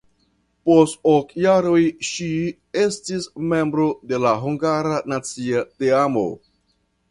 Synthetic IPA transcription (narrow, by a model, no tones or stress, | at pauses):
postokjaɾojʃi | estisme̞mbɾo̞de̞laɦuŋɡaɾanat͡siateamo̰